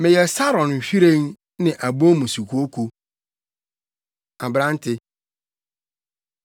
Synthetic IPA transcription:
mɪ̃˨jɛ˨sa˦ɾɔ̃˨nm̩˨fi˦ɾẽ˦ŋ | nɪ̃˨ʔa˨bo˦mũ˨su˨kʰu˦o˦kʰu˦ | a˨bɾã˦n˦tʰɪ˦

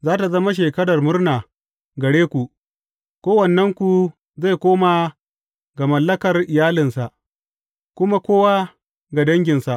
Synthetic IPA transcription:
zaː˦ta˨zɐ˦ma˦ʃ̬eː˨kɐ˦ɽɐ˨rmʊ˦rnaː˨ | ɡɐ˨ɽeː˦kʷu˨ | kʷoː˦wɐ˨nːɐ˦ŋkʷu˨ | za˦˨jkʷoː˦ma˨ | ɡa˨mɐ˨lːɐ˦kɐ˨rʔɪ˨jaː˦lɪ˨nsa˨ʔ | kʷʊ˦ma˦kʷoː˦wa˦ | ɡa˨dɐ˦ŋɡʲɪ˨nsa˨ʔ

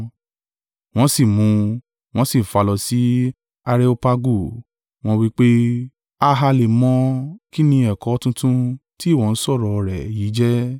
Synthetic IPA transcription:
w̃ɔ̃˦si˦˨mũ˨˧ | w̃ɔ̃˦si˦˨fa˧lɔ˧si˨˦ | a˧ɾe˦o˧pa˧ɡu˦˨ | w̃ɔ̃˧wi˦k͡pe˦ | a˧ɦa˧le˨mɔ̃˧ki˦nĩ˧ɛ˨kɔ˨˦tũ˧tũ˦ti˦˨wɔ̃˨n̩˦sɔ˦˨ɾɔ˨˧ɾɛ˨ji˨˦d͡ʒɛ˦

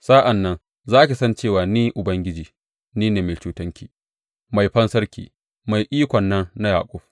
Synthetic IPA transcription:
saː˦ʔa˨nːɐ˦n | zaː˦kʲi˨sɐ˦nt͡ʃeː˦˨waː˨niː˦ʔʊ˨bɐ˦ŋɡʲɪ˦d͡ʒiː˨ | niː˦neː˨meː˨t͡ʃuː˦tɐ˦ŋkʲiː˨ | ma˨jɸɐ˦nsɐ˦ɾkʲḭː˨ | ma˨jʔiː˦kʷɔ˨nːɐ˦ŋna˦ja̰ː˨kʷʼʊ˦ɸ

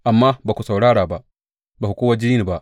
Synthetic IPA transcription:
ʔa˨mːa˦ba˨ku˨sa˨wɽaː˦ɽaː˨ba˨ʔ | ba˨ku˨koː˦wa˦d͡ʒi˦niː˦ni˨ba˨ʔ

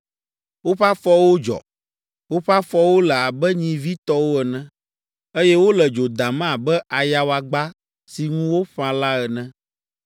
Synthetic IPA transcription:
wo˦ɸa˦fɔ˦wo˦d͡ʒɔ̰˨ | wo˦ɸa˦fɔ˦wo˦lɛ˨a˨bɛ˦ɲĩ˨vi˦t̪ɔ˦wo˦ɛ˨nɛ̃˦ | e˦jɛ˦wo˦lɛ˨d͡ʒo˨d̪a˨mã˦˨bɛ˦ʔa˨ja˦wa˨ɡ͡ba˦ | si˨ŋũ˦wo˦ɸã˨la˦ɛ˨nɛ̃˦

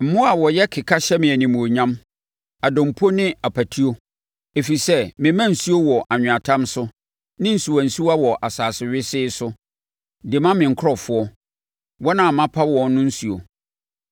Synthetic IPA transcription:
m̩˨mʊ̃˦a˨wɔ˨jɛ˦kʰɪ˨kʰa˦ɕɛ˦mɪ̃˨æ˨nĩ˨mũ˨o˨ɲã˦m | a˨dɔ̃˨m̩˨pʰo˦nɪ̃˦a˨pʰæ˨tʰi˦o˦ | e˨fi˨sɛ˦mɪ̃˨mã˦˨n̩˨su˦o˦wɔ˨ʔa˨ɲᶣʊ̃˨a˨tʰã˦msʊ˦ | nɪ̃˦n̩˨su˨wa˨n̩˨su˦wa˦wɔ˨ʔa˨saː˨sɪ˨ɥɪ˦sɪː˦sʊ˦ | dɪ˨mã˦mɪ̃˨ŋ̩˨kʰʊ˦ɔ˨fʊ˦ɔ˦ | wɔ˦nã˦˨mã˦pʰa˦wɔ̃˦˨nː˦ʊ̃˦n̩˦su˨o̰˨

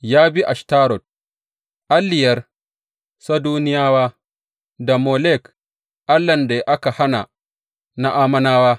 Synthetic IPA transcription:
jaː˦bi˦ʔa˨ʃtaː˦ɾɔ˨t̚ | ʔa˦lːɪ˨jɐ˦r | sa˦duː˦nɪ˦jaː˦waː˦ | da˨mo˨lɛ˦˨k | ʔa˦lːɐ˨nde˨jʔa˦ka˨ha˦na̰˨ | na˦ʔaː˦mɐ˦naː˦waː˦

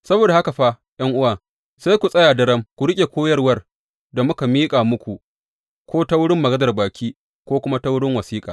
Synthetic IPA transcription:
sɐ˦boː˨da˨ha˦ka˨ɸa˦ | j̰ɐ˦ŋʔʊ˦waː˨ | sa˦jkʷu˨sʼɐ˦jaː˨dɐ˦ɽɐ˦mkʷu˨ɽɪ˦kʲʼe˨kʷoː˦jɐ˦rwɐ˦r | da˨mʊ˦ka˨miː˦kʼaː˨mʊ˦kʷu˨ | kʷoː˦ta˦wʊ˦ɽɪ˦mːɐ˨ɡɐ˦zɐ˨rbaː˨kʲiː˦ | kʷoː˦kʷʊ˦ma˦ta˦wʊ˦ɽɪ˦ŋwɐ˨siː˦kʼaː˨

